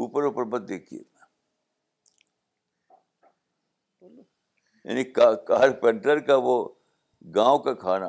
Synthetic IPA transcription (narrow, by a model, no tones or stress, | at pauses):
uːpəɾuːpəɾbɐt̪̚d̪eːkʰḭḛ | ja̰ːnikakaːɾpɛ̃ɳʈəɾkaʋo | ɡãːõkakʰaːna̰